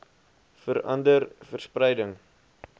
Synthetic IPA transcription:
fəɾɐ̰ndərfərsprɛjdəŋ

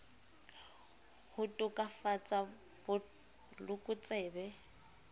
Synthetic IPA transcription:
hʊtʼʊkʼafat͡sʼa | bʊ | lʊkʼʊt͡sʼɛːbɛ

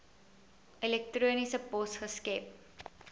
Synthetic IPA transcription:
ʔilɛk̚truənisəpɔsχəskɛp̚

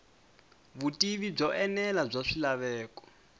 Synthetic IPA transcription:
βutʼiβib͡ʐɔʔɛnɛlab͡ʐaʂilaβɛːkɔ̥

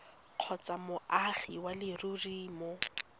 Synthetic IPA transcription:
q͡χʰɔt͡sʼamʊaχḭwalɪruriːmɔ

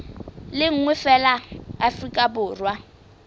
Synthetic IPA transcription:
lɪŋ̩ŋwɛfɛlaafrikʼabʊːrwa

